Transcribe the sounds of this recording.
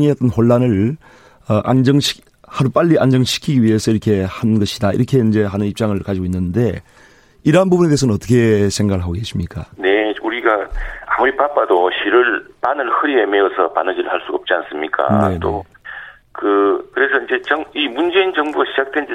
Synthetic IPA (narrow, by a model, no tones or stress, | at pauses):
ŋiat͈ɯnɸoɭːanɯɭ | ʌʔand͡ʑʌŋɕi̥ | haɾup͈aʎːiʔand͡ʑʌŋɕʰi̥kʰiɡiɥiɦe̞sʰʌiɾʌkʰe̞hanɡʌɕʰidaḭɾʌkʰe̞ind͡ʑe̞ɦanɯnip̚t͡ɕ͈aŋɯɭkad͡ʑiɡoinːɯnde̞ | iɾʌɦanbubuneesʰʌnɯnʌt͈ʌ̥kʰe̞sʰe̞ŋɡaɡɯɭɦaɡoɡe̞sʰimɲik͈a̰ne̞uɾiɡaamuɾipap͈ːadoɕiɾɯɭpanɯɭhɯɾiemeʌsʰʌpa̰nɯd͡ʑiɾɯɭhaɭs͈uɡʌp̚t͡ɕ͈ians͈ɯmɲik͈a̰ne̞nt͈o | kɯkɯɾe̞sʰʌind͡ʑe̞t͡ɕʌŋimund͡ʑe̞ind͡ʑʌŋbuɡaɕʰid͡ʑak̚t͈wend͡ʑ